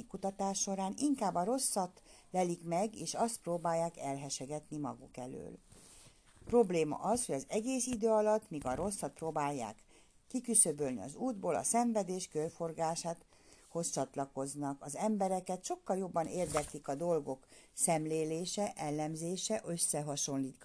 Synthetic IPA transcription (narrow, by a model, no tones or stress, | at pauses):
ikut̪ɒt̪aːʃːo̞ɾaːniŋkaːbːɒɾo̞sːɒt̪ | lɛlikmɛɡeːʃɒst̪̚proːbaːjːaːkɛlɦɛʃɛɡɛt̪nimɒ̰ɡukɛlø̰ːl | pro̞bleːmɒ̰ʔɒsho̞ɟɒzɛɡeːsid̪øːɒlɒt̪ːmiːɡɒɾo̞sːɒt̪̚proːbaːjːa̰ːkː | ikysøbølnḭɒ̰zuːd̪boːlɒ̰sɛɱvɛd̪eːʃkørfo̞rɡaːʃaːt̪ | ho̞st͡ʃɒt̪lɒko̞znɒkɒzɛmbɛɾɛkɛt̪ʃo̞kːɒljo̞bːɒneːrd̪ɛk̪likɒd̪o̞lɡo̞k | sɛmleːleːʃɛʔɛlːɛmzeːʃɛʔø̞sːɛɦɒʃo̞nliːt̪k